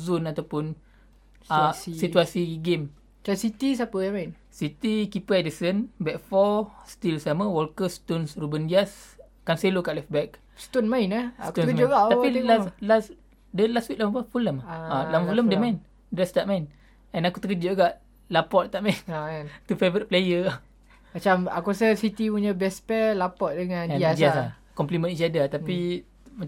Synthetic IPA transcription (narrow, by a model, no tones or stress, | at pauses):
zunat̪awpʊn | asit̪uasiɡem | t͡ʃasit̪is̬apəjamain | sit̪ikipəɛdəsənbɛk̚fɔst̪ilsaməwɔlkəst̪onsrubənd͡ʒias | kanselokaʔlɛfbɛk̚ | st̪onmainakt̪oəkəɡaʔt̪apilaslas | dəlastwik̚lamapəfuləmalamfuləmdəmain | dɾɛst̪aʔmain | ɛnakut̪əkəd͡ʒəʔɡaʔ | lapɔt̪̚t̪aʔmajnnt̪ufevəɾit̪̚plejəa | mat͡ʃama̰kuɾasəsit̪ipuɲəbɛspɛlapɔt̪̚dəŋãnɛd͡ʒiasa | kɔmplimə̃nisiadat̪api | ma